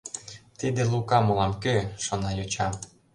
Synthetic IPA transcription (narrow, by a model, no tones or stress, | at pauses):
t̪id̪elukɑmolɑmkøʃonɑjot͡ɕɑm